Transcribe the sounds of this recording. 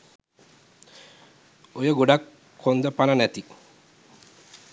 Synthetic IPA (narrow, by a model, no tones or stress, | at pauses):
ojaɡoɖakʰː | ond̪apananɛt̪i